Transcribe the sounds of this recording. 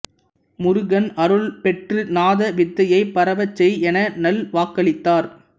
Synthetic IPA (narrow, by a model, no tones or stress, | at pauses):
mʊɾʊɯɣɐnɐɾɯɭpɛʈrɯnaːðɐʋɪt̪ːɐjɐɪpɐɾɐʋɐt͡ʃːɛjɛnɐnɐlʋaːkːɐɭɪt̪ːaːɾ